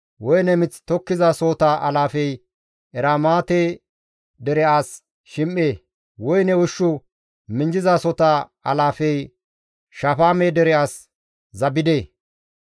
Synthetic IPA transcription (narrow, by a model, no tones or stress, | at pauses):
wɔjnɛmɪt͡sːt̪ɔkːɪzaːsoːt̪aʔɐlaːfɛj | ɛɾaːmaːt̪eː | d̪ɛɾɛʔaːs | ʃɪmʔeː | wɔjnɛwʊʃːʊ | mɪnd͡ʒɪzaːsɔt̪aːɐ̰laːfɛj | ʃafaːmeːd̪ɛɾɛaːs | zɐbɪd̪eː